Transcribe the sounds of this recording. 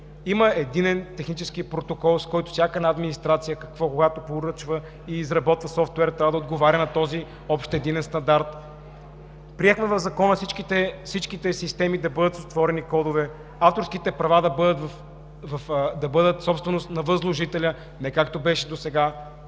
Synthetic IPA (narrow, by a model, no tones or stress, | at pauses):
iməɛd̪inɛnt̪ɛxnit͡ʃɛsk̟ipɾot̪okɔlˠskɔjt̪ʊ̥fsʲjakəɛnaːd̪minist̪ɾat̪sijəkɐkvɔkoɡat̪opoɾɤt͡ʃvə | iːzɾɐbɔt̪vɐsɔft̪wɛɾt̪ɾʲavəd̪əod̪ɡovaɾʲɐnɐt̪ɔzi | ɔpʃt̪ɛd̪inɛnst̪ɐnd̪aɾt̪ | pɾiɛxmɛvɐvzɐkɔnəfsit͡ʃkit̪ɛfsit͡ʃkit̪ɛsist̪ɛmid̪ɐbɤd̪ət̪sost̪vɔɾɛnikɔd̪ovɛ | aft̪oɾsk̟it̪ɛpɾɐvad̪ɐbɤd̪ət̪vɐf | vɐfd̪ɐbɤd̪ət̪sɔpst̪vɛnost̪nɐvəzlˠoʒit̪ɛlʲə | nɛkakt̪obɛʃɛd̪osɛɡa